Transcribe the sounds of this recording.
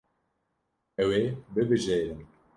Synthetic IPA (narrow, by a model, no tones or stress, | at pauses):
ɛwebɨbɨʒeɾɨm